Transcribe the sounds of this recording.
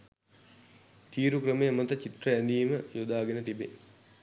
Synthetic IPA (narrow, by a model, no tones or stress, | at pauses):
t̪iːɾukrəmejmət̪ət͡ɕit̪rəɛnd̪iːməjod̪aːɡenət̪ibe